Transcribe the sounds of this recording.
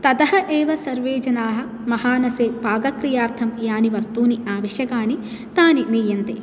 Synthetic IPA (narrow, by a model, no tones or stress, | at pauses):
t̪ɐd̪ɐɦɐʔeːʋɐsɐɾʋeːd͡ʒɐnaːɦɐ̆ | mɐhaːnɐseːpaːɡɐkɾijaːɾt̪ʰɐmjaːniʋɐst̪uːniaːʋɐʃjɐkaːni | t̪aːninijɐnt̪ḛː